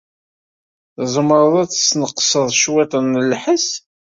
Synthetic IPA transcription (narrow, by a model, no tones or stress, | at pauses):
zˤəmɾˤəðˤæt͡sːə̥snəqːsəðˤʃwæt̪ˤənːəlħəs